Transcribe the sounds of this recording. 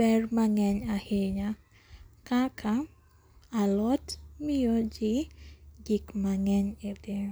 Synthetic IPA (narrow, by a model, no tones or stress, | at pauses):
bɛrmaŋɛɲahɪɲa | kakʰa | alɔtmɪjod͡ʒɪd͡ʒikmaŋɛɲed̪en